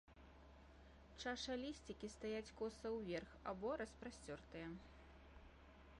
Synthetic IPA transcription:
t͡ʂaʂɐlʲisʲt͡sʲikʲist̪ajat͡sʲkɔsɐwvʲɛrxa̰bɔɾɐspɾasʲt͡sʲɔrt̪ɨjɐ

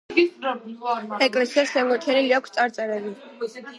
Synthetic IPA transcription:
ɛkʼlɛsiasmɛmɡɔɾt͡ʃʰɛniliakʷʰst̪sʼaɾt̪sʼɛɾɛbi

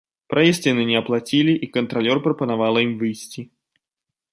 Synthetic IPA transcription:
pɾʔajɛsʲtʲinɨnʲɛɐplˠat͡sʲilʲiʔikɐnt̪ɾalʲɔrpɾɐpɐnavalˠɐimvɨjsʲt͡sʲi

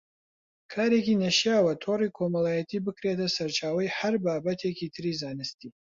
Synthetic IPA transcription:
kʰaːɾekinɐʃjaːwɐt̪ʰoːrikʰomɐlˠaːjɐt̪ʰiːbɨkɾet̪ʰɐsɐɾt͡ʃʰaːwɐjhɐɾbaːbɐt̪ʰekʰit̪ʰɨɾiːzaːnɨst̪iː

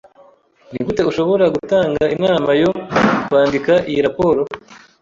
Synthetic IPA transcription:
nikute̞uʃo̞βo̞ɾaɡutaːŋɡaʔinaːmajo̞kwaːndikaʔijiɾapo̞ːɾo̞

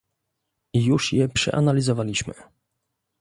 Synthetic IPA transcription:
juʂjɛpʂɛ̰ʔa̰nalʲizɔvalʲiɕmɘ̰

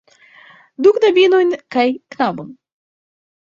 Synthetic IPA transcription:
d̪ukd̪abʲinojnʲkajknabon

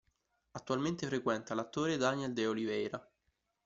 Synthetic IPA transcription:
at̪ːualment̪efɾekwɛnt̪alat̪ːoːɾed̪anɛld̪eolivɛjɾa

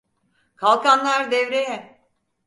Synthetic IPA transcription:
kʰalˠkʰanlˠaɾd̪ɛvɾejɛ

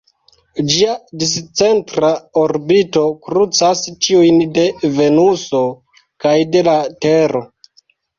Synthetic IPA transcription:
d͡ʒiadist͡se̞ntɾaoɾbito̞kɾut͡sast͡ʃiujnde̞ve̞nuso̞ | kajde̞lateɾo̞

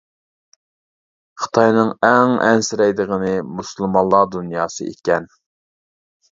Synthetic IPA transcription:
χə̥t̪ʰɑjnɨŋæŋɛ̰nsɪɾɛjd̪əʁənɨmuslˠmɑnlːˠɑd̪unjɑːsɨ̰ʔḛkʲɛn

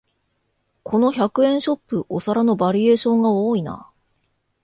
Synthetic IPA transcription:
kʰo̞no̞çakɯ̟ẽ̞ɰ̃ɕo̞pːɯ̟ʔo̞saɾano̞baɾʲie̞ːɕõ̞ŋɡaoːina̰

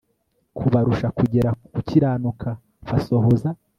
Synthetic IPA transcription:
kʰuβaɾuʃakuɟe̞ɾakuciɾaːnukʰa | faso̞ɦo̞za

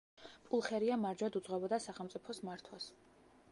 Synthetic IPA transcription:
pʼulˠχɛɾiamaɾd͡ʒwad̪ud̪z̥ʁwɛbɔd̪asaχɛlˠmt̪sʼipʰɔsmaɾt̪ʰwas

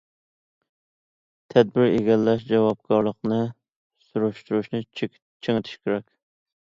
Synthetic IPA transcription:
t̪ʰɛd̪̚bɪɾeɡʲɛlːɛʃd͡ʒɛwɑb̚kʰɑɾlˠəqnɨ | suɾuʃt̪uɾuʃnɨ | t͡ʃʰeŋɪt̪ʰy̥ʃkʲeɾɛkʲ

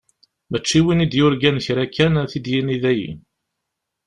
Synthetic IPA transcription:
mæt͡ʃːiwinid̪jʊɾɡænçɾækːænθid̪jiniðæjḭ

